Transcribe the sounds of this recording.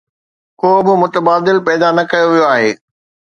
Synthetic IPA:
koːbɪmʊt̪əbaːd̪ɪlpɛːd̪anɐkɐjoʋijoaːɦeː

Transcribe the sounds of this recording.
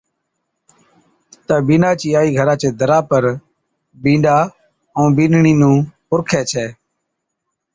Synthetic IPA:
t̪aːbĩːnaːt͡ʃiːaːiːɡʱəɾãːt͡ʃeːd̪ʱəɾaːpəɾ | bĩːɖaː | ə̃ːbiːnɳiːnũːpʊɾkʰeːt͡ʃʰɛː

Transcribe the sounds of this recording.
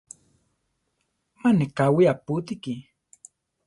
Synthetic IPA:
manekawiaput̪iki

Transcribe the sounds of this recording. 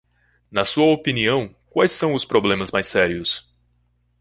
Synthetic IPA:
nɐsuɐopiniɐ̃w̃kwajsːɐ̃w̃ʊspɾoblẽmɐzmajsɛɾiʊs

